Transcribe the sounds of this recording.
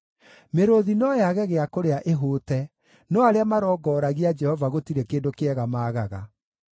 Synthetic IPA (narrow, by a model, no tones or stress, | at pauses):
meɾoðinɔjaɣɛɣeakoɾeaʔeɦoːtɛ | nɔaɾeamaɾɔːɡɔːɾaɣiad͡ʒɛhɔvaɣotiɾɛkeːndokeɛɣamaːɣaɣa̰